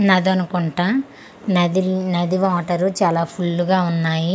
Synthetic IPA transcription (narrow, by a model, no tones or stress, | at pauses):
nɐd̪uɐnukuɳʈa | nɐd̪inɐd̪iʋaːʈɐɾut͡ʃaːlaːpʰulːuɡaːunːaːji